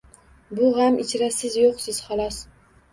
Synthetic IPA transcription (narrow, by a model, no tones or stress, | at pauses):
bʊɦamʔɪt͡ʃʰɾasɪzjoqsɪz̥χɒlˠɒs